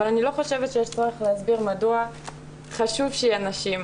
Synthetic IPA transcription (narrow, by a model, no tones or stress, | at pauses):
valanilo̞χo̞ʃe̞vt̪ʃejeʃt͡soʁeχleazbiʁmadua | χaʃuvʃejianaʃim